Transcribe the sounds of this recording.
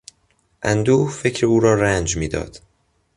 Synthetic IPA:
ʔænd̪uːfe̞cʰɾeuːɾɒːɾænd͡ʒmiːd̪ɒ̰ːd̪̥

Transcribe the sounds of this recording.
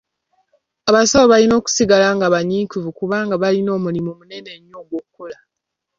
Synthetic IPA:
aβasaβoβalino̞ːku̥siɡalaːŋɡaβaɲiːkuvukuβaːŋɡaβalino̞ːmulimumune̞ne̞ɲːoːɡwokːola

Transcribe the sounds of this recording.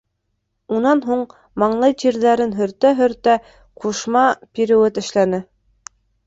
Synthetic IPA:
unɑnɦuɴ | mɑɴlˠɤjʑiɾðæɾɘnɦɵ̆ɾt̪æɦɵ̆ɾt̪æ | quʃmɑpiɾɘ̆wɘt̪ɘ̆ʃlænɘ

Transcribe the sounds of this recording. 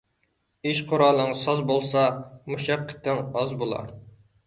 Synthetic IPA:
iʃqʰoʊɾɑːlˠəŋsɑzbolˠsɑmuʃɑqʰːə̥t̪ʰːɪŋɑzbolˠɑ̰

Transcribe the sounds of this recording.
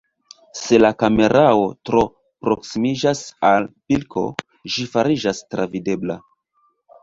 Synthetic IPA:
se̞lakame̞ɾʔao̞tɾo̞ | pɾo̞ksimid͡ʒasalpilkʰo̞̰ | ʒifaɾid͡ʒastɾavide̞bla̰

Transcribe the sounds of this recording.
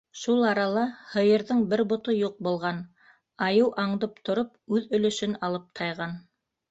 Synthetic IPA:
ʃulˠɑɾɑlˠɑhɤ̆jɤ̆ɾðɤɴbɘɾbŏt̪ojuq̚bŭlˠʁɑn | ɑjɤwʔɑɴd̪ɤp̚t̪ʰŏɾop̚ʉðɵ̆lɵ̆ʃɵnɑlˠɤp̚t̪ʰɑjʁɑn

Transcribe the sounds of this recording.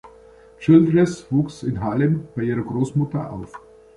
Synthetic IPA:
t͡ʃɪldʁɛsv̥uːksɪnɦaləmb̥aɪʔiːʁɐɡʁoːsmʊtɐʔa̰ʊf

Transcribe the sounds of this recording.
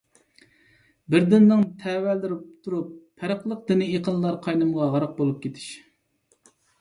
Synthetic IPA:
bɪɾd̪ɪnːɨŋt̪ʰɛwæld̪ɪɾpt̪ʰuɾupʰːæɾəqlˠəq̚d̪ɪnɪeqʰənlˠɑɾqʰɑjnɨmʁɑʁɑɾəq̚bolˠup̚kʲʰet̪ʰɪ̥ʃ

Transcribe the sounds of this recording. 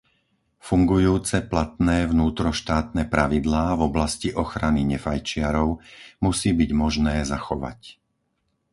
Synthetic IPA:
fuŋɡujuːt͡sɛplat̪nɛːvnuːt̪ɾɔʃt̪aːt̪̚nɛːpɾaʋid̪laːvɔblasciʔɔxɾaniɲɛfajt͡ʃɪaɾɔʊmusiːbiɟmɔʒnɛːzaxɔʋa̰c

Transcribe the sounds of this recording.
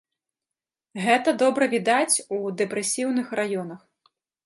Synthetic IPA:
ɣɛt̪ɐd̪ɔbɾɐvʲid̪at͡sʲud̪ɛpɾɛsʲiwnɨxrajɔn̪ɐx

